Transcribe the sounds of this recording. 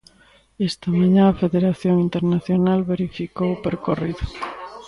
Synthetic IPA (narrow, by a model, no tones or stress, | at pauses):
est̪amaɲãɐfeðeɾaθjoŋint̪eɾnaθjonalβeɾifikowpeɾkoriðʊ